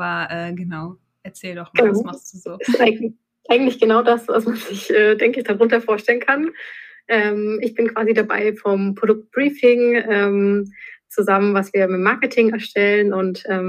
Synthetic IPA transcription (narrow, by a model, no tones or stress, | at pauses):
ʔabɐʔɛːɡənaʊ | ʔɛɐt͡sɛːldɔχɡ̥ənaasuzuɪstʔaɪɡ | ʔaɪɡŋ̩tlɪçɡ̥ənaʊdasva̰smanz̥ɪçʔɛːdɛŋkəɪçd̥aʁʊntɐfoːɐʃtɛlənkʰan | ʔɛːmɪçb̥ɪnkv̥aːzidaba̰ɪfɔmpʁ̥odʊk̚t̚b̥ʁiːfɪŋʔɛːmt͡suzamənvasv̥iːɐmɪtmaɐkətʰɪŋɛɐʃtʰɛlənʔʊntʔɛːm